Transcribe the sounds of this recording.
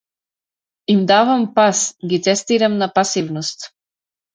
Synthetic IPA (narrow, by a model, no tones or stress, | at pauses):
imd̪avampasɡit̪sɛst̪iɾamnapasivnɔst̪